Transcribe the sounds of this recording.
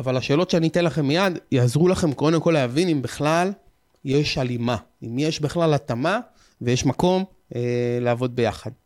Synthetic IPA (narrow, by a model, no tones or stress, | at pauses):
avalaʃe̞ːlo̞t̪ʃeanit̪enlaχe̞mːijad̪jazʁulaχe̞mko̞d̪emko̞leːvinimbiχlal | je̞ʃalima | imjeʃbiχlalat̪ama | vejeʃmako̞m | eleavo̞d̪̚be̞jaχad̪